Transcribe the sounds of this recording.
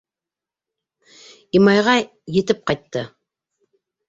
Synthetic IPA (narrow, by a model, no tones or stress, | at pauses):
imɑjʁɑ | jɘ̆t̪ɘp̚qɑjt̪ːɤ